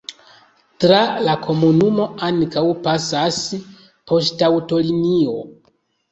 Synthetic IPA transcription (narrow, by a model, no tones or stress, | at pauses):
tɾalakʰo̞munumo̞ankawpasas | pʰo̞stawto̞linio̞̰